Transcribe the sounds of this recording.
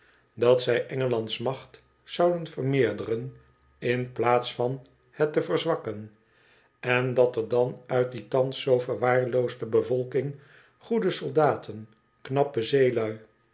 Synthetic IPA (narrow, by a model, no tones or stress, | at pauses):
dɑtsɛjʔɛŋəlɑntsmɑχt | sɑwdənfərmɪːɹdərən | ɪnplaːtsfɑn | hɛtəvərzʋɑkən | ɛndɑtəɹdɑnœɥt̚ditɑnsːowvəɹʋaːɹlowzdəbəvɔlˠkɪŋ | χudəsolˠdaːtʰən | knɑpəzejlœɥ